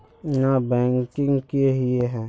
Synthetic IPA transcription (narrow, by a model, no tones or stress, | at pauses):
nabɛ̃ːŋkɪ̃ŋɡkeɦieɦɛ̃ː